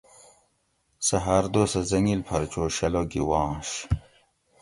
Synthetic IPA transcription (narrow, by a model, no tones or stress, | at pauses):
sɐɦaːɾd̪oːsɐzɐŋilpʰɐɾt͡ɕoːɕɐloɡiwɑ̃ːɕ